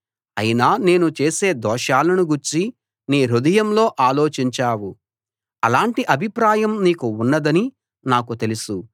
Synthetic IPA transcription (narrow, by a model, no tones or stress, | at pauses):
ɐ̰jinaːne̞ːnut͡ʃe̞ːse̞ːd̪ɔːʃaːlɐnuɡuɾt͡ʃi | niːɾud̪ɐjɐmlo̞ːʔaːlo̞ːt͡ʃiɲt͡ʃaːwu | ɐlaːɳʈiʔɐbʱipɾaːjɐmniːkuːnːɐd̪ɐni | naːkut̪e̞lusu